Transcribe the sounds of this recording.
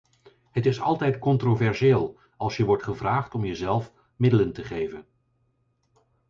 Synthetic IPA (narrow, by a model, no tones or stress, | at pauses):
ɦətɪsɑ̰lˠtɛjtkɔntrovɛɹseːlˠ | ɑlˠsjəʋɔɹtχəvraːχtɔmjəzɛlˠf | mɪdələntəχejvən